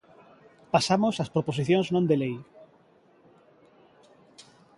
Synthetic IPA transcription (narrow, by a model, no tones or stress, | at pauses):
pasamosaspɾoposiθjõnznõnd̪elej